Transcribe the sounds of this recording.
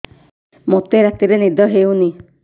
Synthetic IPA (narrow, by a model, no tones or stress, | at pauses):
mot̪eɾat̪iɾenid̪ɔɦeuni